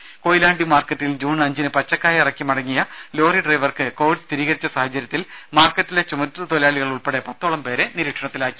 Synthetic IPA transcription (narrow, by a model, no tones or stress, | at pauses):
koːjilaːɳɖimaːrkɐʈːild͡ʑuːnɐɲd͡ʑinɨpɐt͡ɕːɐkːaːjirɐkːimɐɽɐŋːijɐlo̞ːriɖrɐjʋɐrkɨko̞ːʋiɖst̪ʰiɾiːɣɐɾit͡ɕːɐsaːhɐt͡ɕːɐɾjɐt̪ːilmaːrkːɐtːile̞t͡ɕumɐt̪ːɨt̪olɐjaːɭiɣɐɭuɭpeɽe̞pɐt̪ːoːɭɐmpe̞ːɾe̞niɾiːʈʂɐɳɐt̪ːilaːkːi̥